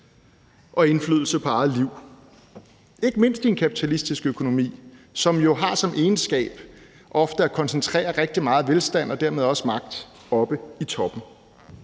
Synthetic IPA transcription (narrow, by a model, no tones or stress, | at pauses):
ʔɒ̽e̝nflyð̞̰ˠl̩sɐpʰɒ̽ɑ̈ð̩ˠliʊ̰ | e̝ɡ̥əme̝n̰sd̥ie̝nkʰæpʰit͡sʰælisd̥isɡ̥økʰo̝no̝mḭːsɒ̽mjo̝ɦɑ̈sɒ̽mʔe̝ːnsɡ̥ɛ̰ːb̥ | ʔɒ̽fd̥əækʰɒ̽nsənt͡sʰʁɛ̰ːɐʁeɡ̥̚d̥imɑ̈ːð̩ˠʋelsd̥æn̰ɒ̽d̥æɐmeð̞ˠɒ̽səmɑ̈ɡ̥̚d̥ | ɒ̽b̥əit͡sʰɒ̽b̥n̩